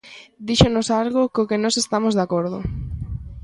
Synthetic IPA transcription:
d̪iʃonosalɣʊkokɪnɔsest̪amozðakoɾðʊ̰

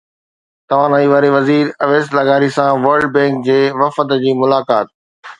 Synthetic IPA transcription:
t̪ɐʋ̤ãːnɐiːʋaːɾeʋɐziːɾɐʋeːslɐɡaːɾisãʋɐɾɖ̚bɛ̃ːŋkd͡ʑeːʋɐfət̪d͡ʑiːmʊlaːkaːt̪̚

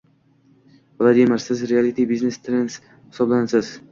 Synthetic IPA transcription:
vlˠad̪imɪɾsɪzɾialit̪ʰibiznest̪ʰɾens | hɪ̥sɒblanasɪz̥

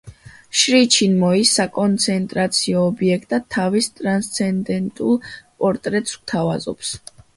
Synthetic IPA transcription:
ʃɾit͡ʃʰinmɔisːakʼɔnt̪sʰɛnt̪ʼɾat̪sʰiɔːbiɛkʰt̪ʼat̪ʰːavist̪ʼɾanst̪sʰɛnd̪ɛnt̪ʼulˠpʼɔɾt̪ʼɾɛt̪sɡt̪ʰavazɔ̰ps

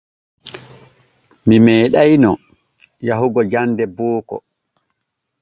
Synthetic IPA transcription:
mimɛːɗajnɔ | jaɦuɡɔd͡ʒandɛbɔːkɔ̰

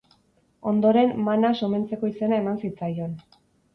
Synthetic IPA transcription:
o̞nd̪o̞ɾe̞mːanasome̞nt͡se̞ko̞ise̞nae̞mansit͡sajo̞n

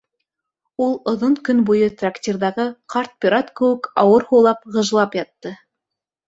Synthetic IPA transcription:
ulˠŏðonkɵnbujɤt̪raktʲirðɑʁɤqɑrt̪̚pʲiɾat̪kɘ̆wɘ̆kɑwɤɾhuwlˠɑpʁɤ̆ʒlˠɑpjɑt̪ːɤ

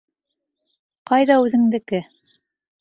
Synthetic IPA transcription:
qɑjðɑʉðɘ̆ŋd̪ɘ̆kɘ

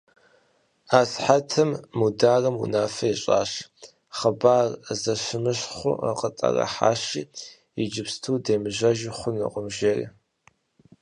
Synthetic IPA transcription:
aːsħatʰɨmːudaːrɐmṵnaːfɐiɕʼa̰ːɕ | χɐbaːrzɐɕɪmɨɕχʷʊ̰əqʼətʼɐ̰rɐ̰ħa̰ːɕiː | id͡ʒɪpstʰuːdeːmɨʑɐʒɪχʷʊnɨ̰qʷʼʊmʒerḭː

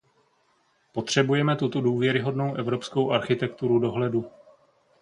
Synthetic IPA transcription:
po̞t̪r̝̥ɛbujɛmɛt̪ut̪oduːvjɛɾɪɦo̞dno̞wʔɛvɾo̞psko̞wʔaɾxɪt̪ɛk̚t̪uɾudo̞ɦlɛdu

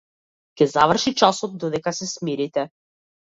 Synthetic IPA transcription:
kʲɛzavr̩ʃit͡ʃasɔt̪̚d̪ɔd̪ɛkasɛsmiɾit̪ɛ

